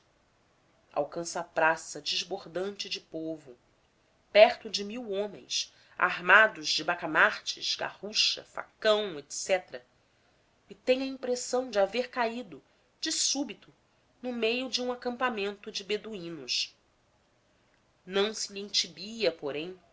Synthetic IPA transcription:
a̰wkɐ̃sɐːpɾasɐd͡ʒɪʒboɾd̪ɐ̃nt͡ʃɪd͡ʒɪpovʊ | pɛχt̪ʊd͡ʒɪmiwõmḛ̃j̃s | a̰ɦmad̪ʊʒd͡ʒɪbakamaɾt͡ʃɪʃɡa̰huʃɐ̰fa̰kɐ̃w̃et̪sɛt̪ɾɐ | ɪt̪ẽj̃ɐĩpɾesɐ̃w̃d͡ʒɪaveɾkaid̪ʊ | d͡ʒɪsubit̪ʊ | nʊmejʊd͡ʒɪũakɐ̃mpamẽnt̪ʊd͡ʒɪbed̪uĩnʊʃ | nɐ̃w̃sɪliĩt͡ʃibiɐpoɾẽj̃

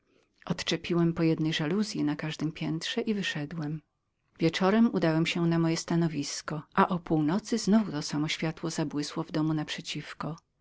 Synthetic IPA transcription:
ʔɔt̪t͡ʂɛpʲiwɛmpɔjɛd̪nɛjʐaluzʲjinakaʐd̪ɘmpʲjɛnt̪ʂɛʔivɘʂɛd̪wɛm | vʲjɛt͡ʂɔɾɛmud̪awɛmɕɛnamɔjɛst̪anɔvʲiskɔʔaʔɔpuwnɔt̪sɘznuvut̪ɔsamɔɕfʲjat̪wɔzabwɘswɔvd̪ɔmunapʂɛt͡ɕifkɔ

